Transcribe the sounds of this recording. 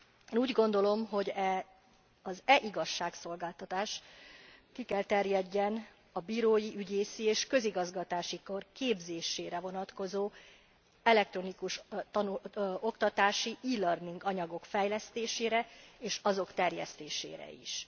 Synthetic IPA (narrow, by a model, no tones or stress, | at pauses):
eːnuːɟɡo̞n̪d̪o̞lo̞mɦo̞ɟɛ | ɒzɛʔiɡɒʃːaːkso̞lɡaːlt̪ɒt̪aːʃ | kikɛlt̪ɛrjɛɟːɛn | ɒbiːɾoːjiʔyɟeːsieːʃkø̞ziɡɒzɡɒt̪aːʃiko̞rkeːbzeːʃeːɾɛvo̞nɒt̪ko̞zoː | ɛlɛk̚t̪ɾo̞nikuʃt̪ɒnuo̞kt̪ɒt̪aːʃiʔiːlørniŋɡɒɲɒɡo̞kfɛjlɛst̪eːʃeːɾɛeːʃɒzo̞kt̪ɛrjɛ̰st̪ḛːʃḛːɾɛ̰ḭʃ